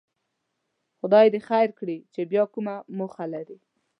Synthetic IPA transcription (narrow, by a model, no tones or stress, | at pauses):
xʊd̪ɑjd̪exajɾkɽit͡ʃebjɑkumamoxalaɾi